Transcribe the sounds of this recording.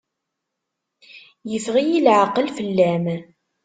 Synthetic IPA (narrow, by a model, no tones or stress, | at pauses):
jəfʁijilʕaqːəlfəlːæm